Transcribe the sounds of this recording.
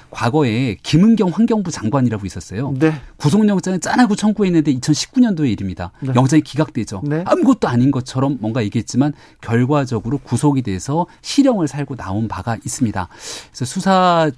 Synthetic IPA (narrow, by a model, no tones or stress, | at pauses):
kwaɡʌe̞kimɯnɡjʌŋɸwanɡjʌŋbut͡ɕaŋɡwaɲiɾaɡois͈ʌs͈ʌjoekusʰoŋɲʌŋt͡ɕ͈aŋɯnt͡ɕ͈anaɡut͡ɕʰʌnɡue̞inːɯnde̞it͡ɕʰʌnɕʰi̥p̚k͈uɲʌndoe̞iɾɯmɲida̰jʌŋt͡ɕ͈aŋikiɡak̚t͈we̞d͡ʑonamuɡʌt̚t͈oaɲinɡʌt͡ɕʰʌɾʌmːwʌŋɡajeɡt̚t͡ɕ͈iman | kjʌɭɡwad͡ʑʌɡɯɾokusʰoɡede̞esʰʌɕʰiɾjʌŋɯɭsʰaɭɡona̰onpaɡaʔis͈ɯmɲida̰esʰʌsʰusʰa